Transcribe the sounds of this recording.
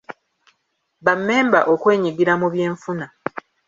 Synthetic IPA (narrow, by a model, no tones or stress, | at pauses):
βamːe̞ːmba̰ʔokwe̞ːɲiɡiɾamuβjeːɱfuna